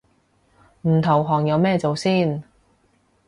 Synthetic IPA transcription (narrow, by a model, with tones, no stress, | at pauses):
m̩˨˩t̪ʰɐ˨˩wɦɔː˨˩ŋjɐ˨˧wmɛː˥˧t͡so˨wsiː˥n